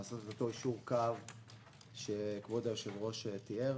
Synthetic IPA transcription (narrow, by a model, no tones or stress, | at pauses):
asot̪et̪ot̪o̞iʃuʁkav | ʃekvod̪ajoʃevʁo̞ʃet̪ie